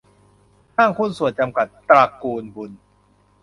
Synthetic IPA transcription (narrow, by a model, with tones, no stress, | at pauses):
haː˥˩ŋkʰo˥˨nsu˨˩ənt͡ɕa˧mka˨˩t̪̚pɾaː˧kuː˧nbu˧n